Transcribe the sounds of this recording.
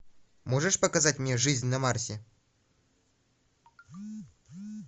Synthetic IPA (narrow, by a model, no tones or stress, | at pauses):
moʐɨʂpəkɐzatʲmnʲeʐɨzʲnʲnɐmarsʲɪ